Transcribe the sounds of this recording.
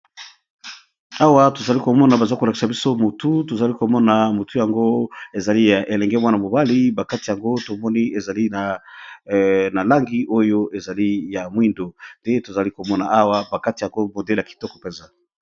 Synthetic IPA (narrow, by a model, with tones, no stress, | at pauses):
a˦wa˦to˨za˨li˦ko˨mɔ˦na˨ba˨za˦ko˨la˨ki̥˨sa˨bi˦so˦mo˨tu˦to˨za˨li˦ko˨mɔ˦na˨mo˨tu˦ja˨ŋɡo˦e˨za˨li˦ja˨ʔe˨lɛ˨ŋɡɛ˦mwa˦na˨mo˨ba˦li˦ba˨ka˦ti˨ja˨ŋɡo˦to˨mɔ˦ni˦e˨za˨li˦na˨ | na˨la˦ŋɡi˦ʔo˦jo˦ʔe˨za˨li˦ja˨mwi˦ndo˨nde˦to˨za˨li˦ko˨mɔ˦na˨a˦wa˦ba˨ka˦ti˨ja˨ŋɡo˦mo˨de˦la˨ki˨tɔ˦kɔ̥˨pɛ˨nza˦